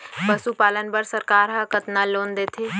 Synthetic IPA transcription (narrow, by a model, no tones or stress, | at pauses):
pəsupaːlənbəɾsəɾkaːɾɦə̃kət̪naloːnd̪eːt̪ʰe